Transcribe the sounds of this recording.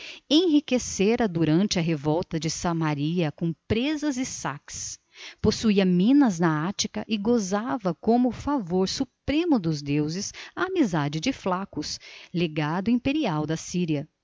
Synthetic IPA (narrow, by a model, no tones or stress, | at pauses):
ẽɦikeseɾɐd̪uɾɐ̃nt͡ʃɪɐɦevɔwt̪ɐd͡ʒɪsɐmaɾiɐkõpɾezɐzɪsa̰ks | posuiɐmĩnɐznɐat͡ʃikɐʔɪɡozavɐkõmʊfavoɾsupɾẽmʊd̪ʊzd̪ewzɪsɐːmizad͡ʒɪd͡ʒɪflakʊsleɡad̪ʊĩpeɾiawd̪ɐsiɾiɐ